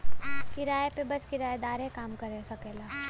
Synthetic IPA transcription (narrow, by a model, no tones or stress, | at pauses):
kɪɾaːepebɐskɪɾaːed̪aːɾɦɛkaːmkɐɾesɐkɛːlaː